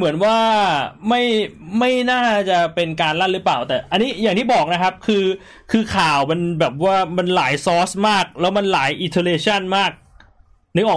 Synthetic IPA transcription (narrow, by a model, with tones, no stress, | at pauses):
mɯ˩˦ənwaː˥˩ma˥˩jma˥˩jnaː˥˩t͡ɕa˨˩pe˧nkaː˧nla˥˩ɾɯ˦˥paː˨˩wt̪ɛː˨˩ʔa˧nːiː˦˥jaː˨˩ŋt̪ʰiː˥˩bɔː˨˩k̚na˦˥kʰp̚kʰɯː˧ | kʰɯː˧kʰaː˨˩wma˧nbɛː˨˩p̚waː˥˩ma˧nlaː˩˦jsɔː˦˥smaː˥˩k̚lɛː˦˥wma˧nlaː˩˦jʔi˧nt̪ʰo˧leː˧t͡ɕʰa˥˩nmaː˥˩k̚ | nɯ˦˥ʔɔː˨˩